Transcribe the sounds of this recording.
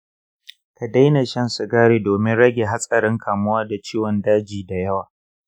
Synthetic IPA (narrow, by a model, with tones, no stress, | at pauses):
ka˨da˦jna˨ʃɐ˦nsʊ˨ɡaː˦ɽeː˨doː˨mɪ˦nɽɐ˦ɡʲeː˨ɦa˦sʼɐ˨ɾɪ˦ŋkʰaː˨mʊ˦waː˦da˨t͡ʃiː˦wɔ˨ndaː˦d͡ʒiː˨da˨jɐ˦waː˨